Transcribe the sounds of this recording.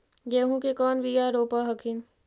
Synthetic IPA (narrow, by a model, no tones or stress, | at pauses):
jeːɦũkekɔːnbijaɾoːpaɦɐkʰin